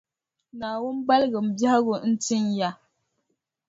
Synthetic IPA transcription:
na˨wu˦mba˦lɡə˨m̩˨bja˦a˦ɡo˨˦n̩˦ti˦nja˦

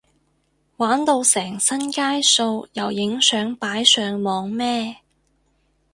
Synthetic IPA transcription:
waː˨˥nt̪o˧wsɛː˨˩ŋsɐ˥nkaː˥jso˧wjɐ˨˩wjɪ˨˥ŋsœː˨˥ŋpaː˨˥jsœː˨ŋmɔː˨˧ŋmɛː˥

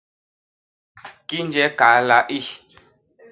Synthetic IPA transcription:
ki˦n˦d͡ʒɛ˦ka˨˦la˦ʔi˦˨

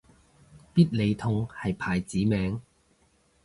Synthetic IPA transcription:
piː˥t̚le˨˧jt̪ʰʊ˧ŋhɐ˨jpʰaː˨˩jt͡siː˨˥mɛː˨˥ŋ

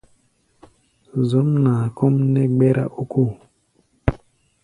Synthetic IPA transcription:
zo˨˦mnaː˨ko˦mnɛ˦ɡ͡bɛ˦ɾa̰˦ʔu˦ku˦˨

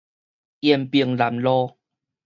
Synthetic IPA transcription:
jɛ˧mpi˧əŋla˨˩˦mlɔ˦

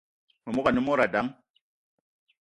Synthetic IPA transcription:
mu˨mu˦ka˨nu˦mo˦ɾa˨da˨˦ŋ

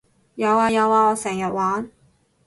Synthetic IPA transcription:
jɐ˨˧waː˧jɐ˨˧waː˨˧ɔː˨˧sɛː˨˩ŋjɐ˨t̚waː˨˥n

